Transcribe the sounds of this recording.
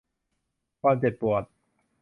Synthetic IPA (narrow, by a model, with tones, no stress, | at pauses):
kʰwaː˧mt͡ɕe˨˩t̪̚pu˨˩ət̪̚